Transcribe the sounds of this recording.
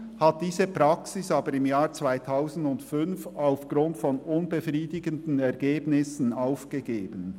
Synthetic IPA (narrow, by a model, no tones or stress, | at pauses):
hat̚d̥iːzəpʁaksɪsaːbəɾɪmjaːʁt͡sv̥aɪtʰaʊzn̩dʊntfʏnfaʊfɡ̥ʁʊntfɔnʊnbəfʁiːdɪɡəndn̩ɛʁɡeːbnɪsn̩aʊfɡ̥əɡeːbən